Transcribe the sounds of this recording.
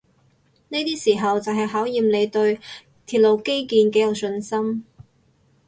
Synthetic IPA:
ne˥t̪iː˥siː˨˩ɦɐ˨wt͡sɐ˨wɦɐ˨jɦaː˨˥wjiː˨mle˨˧jt̪ɵ˧ɥ | t̪ʰiː˨t̚lo˨˧wke˥jkiː˨˧nkɛ˨˥jɐ˨˩wsɵ˧nsɐ˥m

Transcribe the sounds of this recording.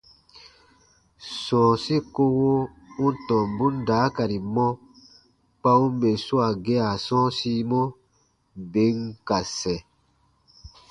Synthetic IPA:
sɔ̃ː˨si˦ko˦wo˦ | ũ˦tɔ̃˨m˨bu˦n˦daː˨˦ka˨ɾi˨mɔ̃˦ | k͡pa˦u˦be˨su˦a˨ɡɛ˦a˨sɔ̃ː˦si˦mɔ˦ | be˨˦ŋ˨ka˨sɛ˨

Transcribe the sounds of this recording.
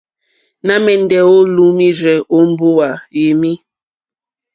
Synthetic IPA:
na˦mɛ˨n̩˨dɛ˨wo˦lu˨mi˦ɾɛ˨o˦m̩˦bo˦wa˨je˨mi˦

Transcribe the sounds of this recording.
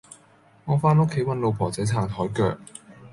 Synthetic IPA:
ŋɔː˨˧faː˧˥nʊ˥kʰːe˨˥jwɐ˧nlo˨˧wpʰɔː˨˩t͡sɐ˨˥jt͡sʰaː˨˩ŋt̪ʰɔː˨˥jkœ̰ː˧k̚

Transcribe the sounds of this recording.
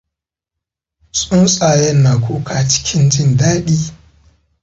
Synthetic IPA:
sʼʊ˦nsʼa˨jɐ˦nːa˨kʷʰoː˦kʰa˨t͡ʃɪ̥˦kʲʰɪ˦nd͡ʒɪ˦ndaː˦ɗiː˦

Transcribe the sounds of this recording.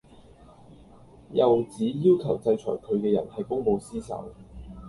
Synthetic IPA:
jɐ˨wt͡siː˨˥jiː˥wkʰɐ˨˩wt͡sɐ˧jt͡ʃʰɔ̰ː˨˩jkʰɵ˨˧ɥkɛː˧jɐ̰˨˩nhɐ˨jkʊ˥ŋpo˧wsiː˥sɐ̰˨˥w

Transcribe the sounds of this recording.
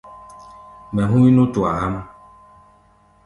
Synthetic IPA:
mɛ̃˨ɦũ˦i˦nũ˦tu˨a˨ha˦m˦

